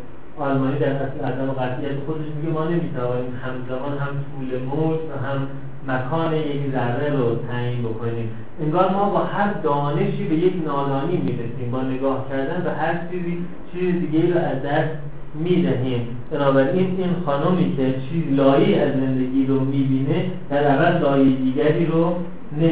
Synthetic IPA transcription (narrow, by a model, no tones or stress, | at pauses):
ɒːlmɒːniːd̪æɾæsæːzæmeɣæzijæt̪ʰexo̞d̪e̞ʃmiɡemɒːne̞miːt̪ʰævɒːniːmhæmzæmɒːnɦæmt̪ʰuːlemoːd͡ʒvæɦæmː | ækʰɒːnejekɾæɣeɾot̪ʰæjiːnbo̞kʰo̞niːm | ʔeŋɡɒːɾmɒːbɒːhæɾd̪ɒːne̞ʃiːbe̞je̞cʰnɒːɾɒːniːmiːɾesiːmbɒːne̞ɡɒːhcʰæɾd̪ænvæɦæɾt͡ʃʰiːziː | t͡ʃʰiːzed̪iːɟeiːɾoæzd̪æst̪ | miːd̪æɦiːm | b̥enɒːbæɾʔiːniːnxɒːnomiːcʰe̞t͡ʃʰiːzilɒːjeæzːe̞nd̪e̞ɡʲiːɾomiːbiːned̪̥æɾævælːɒːjed̪iːɡæɾiːɾo | ne